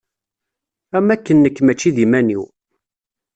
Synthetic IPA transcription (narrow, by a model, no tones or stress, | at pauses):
æmækːənːəkːmæt͡ʃːiðimæniw